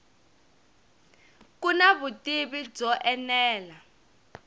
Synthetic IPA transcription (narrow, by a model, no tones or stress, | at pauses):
kunaβutʼiβid͡zɔʔɛnɛːla